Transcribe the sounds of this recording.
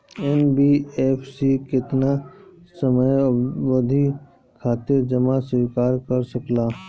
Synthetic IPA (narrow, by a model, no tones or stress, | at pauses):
ɛnbieːpʰsikɪt̪nasəməjʋəd̪ʱi | kʰaːt̪ɪɾd͡ʒəmaswiːkaːɾkəɾsəklaː